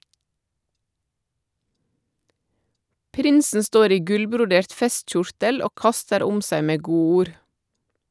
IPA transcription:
ˈpɾɪnsn̩ ˈstoːɾ ˈiː ˈɡʉlbɾʊˌdeːɾt ˈfɛstˌc͡çʊɾtəl ˈoː ˈkɑstəɾ ˈʊm ˈsæɪ ˈmeː ˈɡuːˌuːɾ

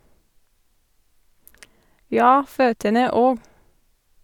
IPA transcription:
ˈjɑː ˈføːtənə ˈoːɡ

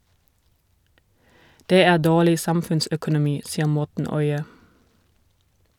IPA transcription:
ˈdeː ˈæː ˈdoːlɪ ˈsɑmfʉnsœkʊnʊˌmiː ˈsiːə ˈmɔtn̩ ˈɔʏə

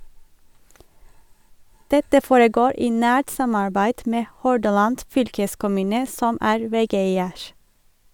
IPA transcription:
ˈdɛtə ˈfoːɹəˌɡoːɹ ˈiː ˈnæːʈ ˈsɑmɑɹbæɪd ˈmeː ˈhɔɖɑlɑnd ˈfʏlkəskʊˌmʉːnə ˈsɔm ˈæːɹ ˈʋɛˌɡeɪəɹ

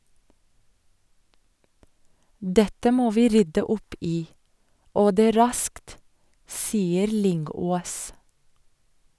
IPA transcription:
ˈdɛtə ˈmoː ˈʋiː ˈɾʏdə ˈʊp ˈiː ˈoː ˈdeː ˈɾɑskt ˈsiːəɾ ˈlʏŋˌɡoːs

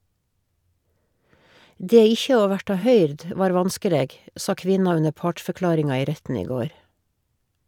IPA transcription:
ˈdeː ˈɪçə ˈoː ˈʋæʈɑ ˈhœʏɾd ə ˈʋɑːɾ ˈʋɑnskəˌleːɡ ˈsɑ ˈkʋɪnɑ ˈʉnə ˈpɑːʈfœˌklɑːɾɪŋɑ ˈiː ˈɾɛtn̩ ˈiː ˈɡoːɾ

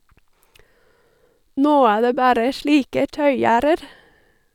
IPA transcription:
ˈnoː ˈæː ˈdeː ˈbæːɾə ˈʃɭiːkə ˈtœʏˌjæːɾəɾ

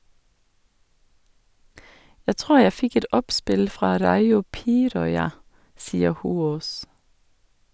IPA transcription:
ˈjæɪ ˈtʁuːɾ ˈjæ ˈfɪk ˈɛt ˈɔpˌspɪl ˈfɾɑː ˈɾɑɪʊ ˈpiːɾɔʏɑ ˈsiːə ˈhuːoːs

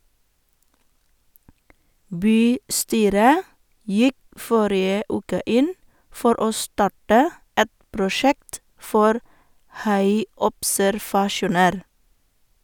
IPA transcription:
ˈbyːˌstyːɾə ˈjɪk ˈfɔɾɪə ˈʔʉːkə ˈʔɪn ˈfɔɾ ˈoː ˈstɑʈə ˈɛt pɾʊˈʃɛkt ˈfɔɾ ˈhɑɪɔpsæɾʋɑˌʃuːnəɾ

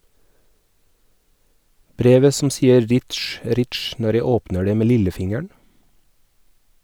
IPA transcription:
ˈbɾeːʋə sm̩ ˈsiːəɾ ˈɾɪʈʃ ˈɾɪʈʃ ˈnɔɾ ˈjæɪ ˈoːpnə ˈɖeː ˈmeː ˈlɪləˌfɪŋəɳ

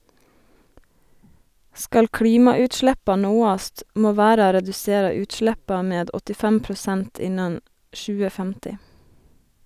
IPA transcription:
ˈskɑl ˈkɽiːmɑʉːtˌʃlæpɑ ˈnoːɑst ˈmoː ˈʋæːɾɑ ɾɛdʉˈseːɾɑ ˈʉːtˌʃlæpɑ ˈmeːd ɔtɪˈfæm pɾʊˈsænt ˈɪnɑn ˈʃʉːə ˈfæmtɪ

